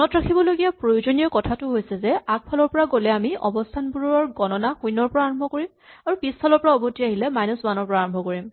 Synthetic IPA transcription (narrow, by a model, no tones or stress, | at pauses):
ɔnɔtɹakʰibɔloɡijapɹojozonijɔkɔtʰatʊɦojsɛzɛak̚pʰalɔɹpɔɹaɡolɛamiʔɔ̰bɔstʰanbuɹɔɔɹɡɔnɔnaxujnɔɹpɔɹaːɹɔmbʱɔkoɹimaɹupispʰalɔɹpɔɹaɔbʱotiaɦilɛmajnɔsbanɔɹpɔɹaːɹɔ̃mbʱɔkoɹim